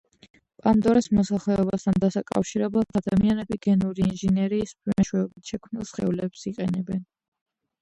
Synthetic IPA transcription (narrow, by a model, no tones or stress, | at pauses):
pʼand̪ɔɾɛsmɔsaχlɛɔbast̪ʰand̪asakʼa̰fʃiɾɛblˠat̪ʰad̪amianɛbiɡ̥ɛnuɾiːnʒɛnɛɾiːspʰwɛmɛʃwɛɔbit̪ʰʃɛkʰmnilˠsχɛ̰ulɛpsiqʼɛnɛbɛn